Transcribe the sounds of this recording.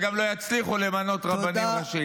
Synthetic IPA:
ɡamlo̞jat͡sliχulemano̞t̪ʁabanimaʃi

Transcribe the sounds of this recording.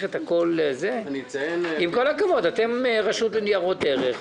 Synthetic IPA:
χet̪ako̞lzenienimko̞lakavo̞date̞mʁaʃut̪lenijaʁo̞teʁeχ

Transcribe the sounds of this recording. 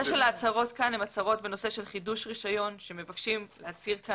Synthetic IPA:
eʃelaːt͡saʁo̞tkanemat͡saʁo̞tbeno̞se̞ʃe̞lχiduʃʁiʃajo̞nʃe̞me̞vakʃimleat͡siʁka

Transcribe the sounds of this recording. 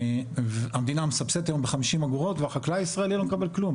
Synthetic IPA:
vamed̪inamesabset̪ajo̞mbeχamiʃimaɡuʁo̞tveaχaklaaisʁaelilo̞mekabe̞lklum

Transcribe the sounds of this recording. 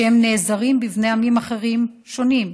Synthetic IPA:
emne̞zaʁimbivnejamimaχeʁim | ʃo̞nim

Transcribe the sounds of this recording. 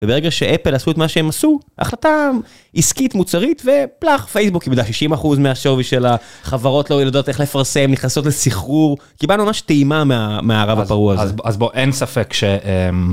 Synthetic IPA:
vebeʁeɡaʃeʔepelasuetmaʃeemasuʔa̰χlata | iskitmut͡saʁitve̞plaχfejsbukimd̪aʃiʃimaχuzmeaʃo̞viʃelaχavaʁo̞tlojelado̞t̪e̞χlefaʁse̞mniχnaso̞t̬lesiχuʁ | kibalnumamaʃteimameameaːʁavapaʁuazazboʔensafekʃeʔem

